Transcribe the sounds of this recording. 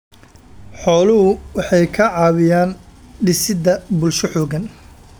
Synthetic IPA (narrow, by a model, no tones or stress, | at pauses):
ħɔːlʊɦʊwɑħɑjkʰɐʕɑːβɪjaːnɖɪsɪd̪ɐbʊlʃɔħɔːɣɐn